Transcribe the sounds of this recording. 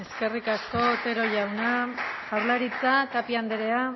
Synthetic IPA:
e̞ske̞rikasko̞t̪e̞ɾo̞ʝawnaʝawɾlaɾit͡sak̪apiand̪eɾe̞a

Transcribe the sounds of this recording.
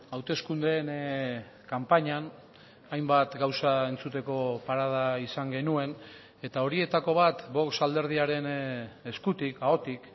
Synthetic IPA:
awt̪e̞skund̪eːn | kampaɲan | ajmbat̪ɡawsae̞nt͡sut̪e̞ko̞paɾað̞aisaŋɡe̞nue̞n | e̞t̪ao̞ɾie̞t̪ako̞βat̪bo̞ksald̪e̞ɾðiaɾe̞ne̞skut̪ikao̞t̪ik

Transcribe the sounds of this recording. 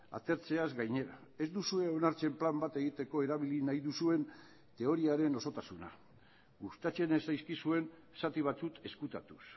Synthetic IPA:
a̰t̪e̞ɾt͡se̞azɡajɲe̞ɾae̞zd̪usue̞o̞naɾt͡se̞mplambat̪e̞ɣ̞it̪e̞ko̞e̞ɾaβ̞ilinajðusue̞n | t̪e̞o̞ɾiaɾe̞no̞so̞t̪asuna̰ | ɡust̪at͡ʃe̞ne̞sajskisue̞n | sat̪iβ̞at͡suke̞skut̪a̰t̪us

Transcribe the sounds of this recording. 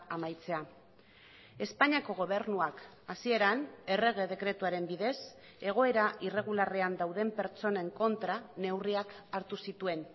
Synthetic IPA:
amajt͡se̞a | e̞spaɲiako̞ɣ̞o̞β̞e̞ɾnuak | asie̞ɾane̞re̞ɣ̞e̞ðe̞kɾe̞t̪uaɾe̞mbiðe̞s | e̞ɣ̞o̞e̞ɾaʔire̞ɣ̞ulareand̪awðe̞mpe̞ɾt͡so̞ne̞ŋko̞nt̪ɾane̞wriakaɾt̪usit̪ue̞n

